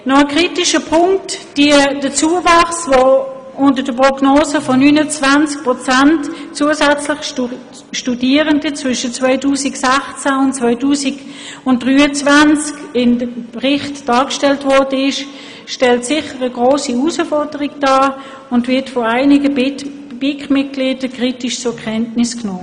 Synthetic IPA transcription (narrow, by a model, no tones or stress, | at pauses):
nɔəkʁiːtɪʃəpʰʊŋktd̥id̥ət͡suːəvɑχsvɔ | ʊntədəpʁɔɡnoːsəfɔnyːnət͡svant͡sk̚pʁɔt͡santt͡suəsæt͡slɪχ | ʃtudiːəʁəndət͡svʏʃət͡svœʏtuːsiksæχt͡sæʊntt͡svœʏtuːsiɡ | ʊnt̚d̥ʁyːət͡svant͡skɪndəpʁɪχtd̥ɑːkʃtɛltvɔɐd̥əɪʃ | ʃtɛltsɪχəʁəɡʁoːsiusəfɔʁdəʁiɡd̥ɑː | ʊndvɪɐtfɔaɪnɪɡə | b̥ɪkmɪt̚ɡ̥liːd̥əkʁ̥itɪʃt͡sʊkʰɛntnɪsknoː